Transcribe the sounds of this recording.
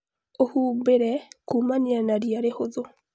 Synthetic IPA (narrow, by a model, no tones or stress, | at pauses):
ohuːmbeɾɛkuːmanianaɾiaɾehoðo